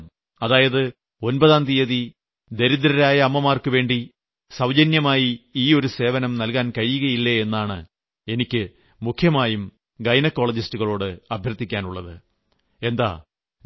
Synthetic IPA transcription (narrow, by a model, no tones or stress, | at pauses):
ɐðaːjɐðɨ | o̞nbɐðaːnd̪ijɐði | d̪e̞ɾid̪ɾɐɾaːjɐɐmːɐmaːrkɨʋe̞ːɳɖi | sɐwd͡ʑɐnjɐmaːjiiːo̞ɾuse̞ːʋɐnɐmnɐlkaːnkɐɻːuɣɐjilːɐe̞nːaːɳɨ̰ | e̞nikʲːɨ | mukʰːjɐmaːjum | ɡɐjnɐkːo̞ːɭɐd͡ʑistuɣɐɭo̞ːɽɨɐbʱjɐrt̪ːikʲːaːnuɭːɐðɨ̰ | e̞nd̪a̰ː